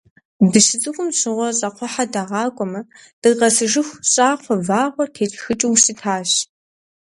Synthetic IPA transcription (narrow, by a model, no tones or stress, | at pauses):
dɨʃɪt͡sʼɨkʷʼʊmɕɪʁʷɔɕʼɐqʷɔħadaːʁɑːkʷʼɔmɐ | d̥ɨʁɐsɨʒɨxʷɕʼaːfʷɐvaːʁʷɔrtʰeːt͡ʃʼxɨt͡ʃʼiwsɨtʰaːɕ